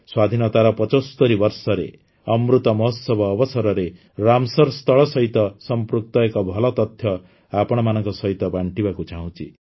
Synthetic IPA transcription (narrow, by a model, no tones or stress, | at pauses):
swad̪ʱinɔt̪aɾɔpɔt͡ʃost̪ɔɾibʌɾsɔɾḛ | ʌmɾut̪ɔmɔɦɔsɔbʱɔːbɔsɔɾɔɾe | ɾamsɔɾst̪ɔɭɔsʌɦit̪ɔsɔmpɾuk̚t̪ɔekɔbʱɔlɔt̪ɔt̪ʰjɔ | apɔɽ̃ɔmanɔŋkɔsʌɦit̪ɔbaɳʈibakut͡ʃaɦũt͡ʃʰḭ